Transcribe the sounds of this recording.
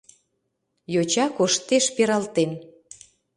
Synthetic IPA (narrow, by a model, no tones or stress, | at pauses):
jot͡ɕɑkoʃt̪eʃpeɾɑlt̪en